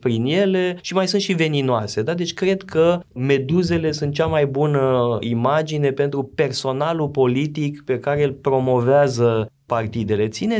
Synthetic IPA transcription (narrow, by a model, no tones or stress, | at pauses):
pɾinje̞le̞ʃimajsunt̪ʃive̞ninoase̞d̪ad̪e̞t͡ʃʲkɾe̞d̪kəme̞d̪uze̞le̞sunt̪̚t͡ʃamajbunəimad͡ʒine̞pe̞nt̪ɾupe̞rso̞nalupo̞lit̪ikpe̞kaɾeelpɾo̞mo̞veazə | part̪id̪e̞le̞t̪sine̞